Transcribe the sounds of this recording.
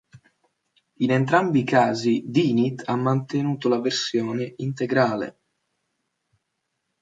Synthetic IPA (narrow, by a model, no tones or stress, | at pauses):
inent̪ɾambikaːzid̪iːnit̪amːant̪enuːt̪olaversjɔːneʔint̪eɡɾaːlḛ